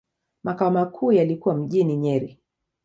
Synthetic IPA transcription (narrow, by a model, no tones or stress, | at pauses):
makaɔmakʰuːjalikuwam̩ʄiniɲɛɾi